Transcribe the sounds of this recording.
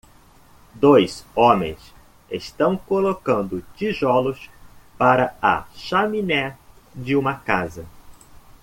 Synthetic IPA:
d̪ojzõmḛ̃j̃s | ḛst̪ɐ̃w̃kolokɐ̃nd̪ʊt͡ʃiʒɔlʊspaɾɐɐ̰ʃaminɛd͡ʒɪũmɐkazɐ

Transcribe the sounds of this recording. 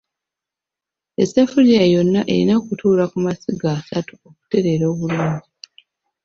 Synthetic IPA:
esafuɾijajo̞nːaʔe̞ɾinakutʰuːlakumasiɡaːsatuoku̥te̞ɾe̞ɾo̞ːβuluːɲɟi

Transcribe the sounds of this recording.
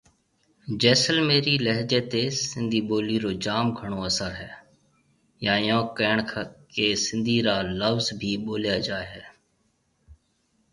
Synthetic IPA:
d͡ʒɛːsəlmeːɾiːləɦd͡ʒeːt̪eːsɪnd̪ʱiːɓoːliːɾoːd͡ʒaːmɡʱəɳ̃oːəsəɾɦɛː | jãːɪjõːkɛːɳkʰkeːsɪ̃nd̪ʱiːɾaːləʋzbʱiːɓoːljaːd͡ʒaːeɦɛː

